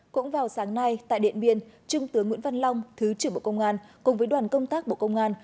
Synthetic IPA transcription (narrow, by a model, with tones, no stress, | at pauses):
kʊ̰˧˥ŋ͡mvaː˨˩wsaː˨˦ŋna˧jt̪a̰ː˧˨jɗḭ˧˨ənɓḭ˧˨ənt͡ɕʊ˧ŋ͡mt̪ɨ˨˦əŋwḭ˧˥ənva˧nla˧wŋ͡mt̪ʰɨ˨˦t͡ɕɨ˧˩ɓo̰˧˨kə˧wŋ͡mʔaː˧nkʊ˨˩ŋ͡mvəː˨˦jɗwaː˨˩nkə˧wŋ͡mt̪aː˦˥k̚ɓo̰˧˨kə˧wŋ͡mʔaː˧n